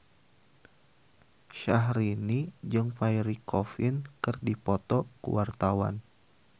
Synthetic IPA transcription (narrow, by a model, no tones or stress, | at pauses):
ʃaɦɾinid͡ʒɨŋfaiɾikɔfinkɨrdipɔt̪ɔkṵwart̪awa̰n